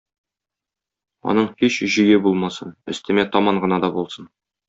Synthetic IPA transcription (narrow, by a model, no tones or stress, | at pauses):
o̰nəɴheɕʒĭjebolˠmɑsənɪ̰̆st̪ɪ̆met̪ʰɑmɑɴʁə̆nɑd̪ɑbolˠsən